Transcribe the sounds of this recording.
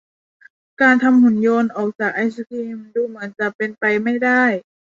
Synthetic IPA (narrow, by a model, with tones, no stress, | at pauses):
kaː˨˧nt̪ʰa˧mhu˩˦njo˧˥nʔɔː˨˩k̚t͡ɕaː˨˩k̚ʔa˧jsu˧kʰiː˧mduː˧mɯ˩˦ənt͡ɕa˧pe˧npa˧˨jma˥˩jda˥˩j